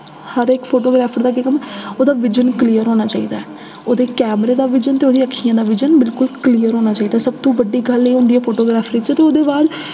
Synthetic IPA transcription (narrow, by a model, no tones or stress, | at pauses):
həɾekpʰoːʈoːɡɾaːpʰəɾd̪aːkɪkəmɛoːd̪aːʋɪd͡ʒənklijəɾɦoːnaːt͡ʃaːḭːd̪aːɛː | oːd̪eːkɛːmɾeːd̪aːʋɪd͡ʒənt̪eːoːd̪iːəkʰːiːãːd̪aːʋɪd͡ʒənbɪlkʊlkliːəɾɦoːnaːt͡ʃaːiːd̪aːɛːsəb̚t̪oũːbəɖːiːɡəlẽːɦõːnd̪ijɛːpʰoːʈoːɡɾaːpʰɾiːt͡ʃt̪eːoːd̪eːbaːd̪